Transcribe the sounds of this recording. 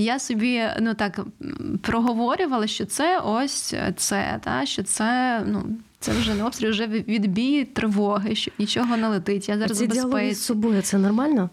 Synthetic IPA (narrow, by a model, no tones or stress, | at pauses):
jasɔbʲinut̪ɑkpɾɔɦɔʋɔɾʲʊʋɐlˠɐʃt͡ʃɔt̪sɛʔɔsʲt̪sɛ̰d̪ɑ̰ʃt͡ʃɔt̪sɛnṵ | t̪sɛ̰wʒɛnɔpst̪ɾʲɪlʲʒɛʋʲid̪bʲijit̪ɾɪʋɔɦɪʃt͡ʃɔbnʲit͡ʃɔɦɔnɛlˠɪt̪ɪtʲjazɑɾɾɐzibeisˠɛssɔbɔjʊt̪sɛnɔrmɑlʲnɔ